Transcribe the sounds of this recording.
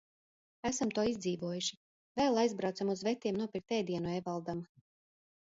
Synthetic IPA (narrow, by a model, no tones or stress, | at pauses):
æsamt̪uɔizd̪ziːvuɔjuʃi | vɛlˠajzbɾawt̪samuzvɛt̪ʲːiɛmnuɔpiɾk̚t̪ɛːd̪iɛnuɛvalˠd̪am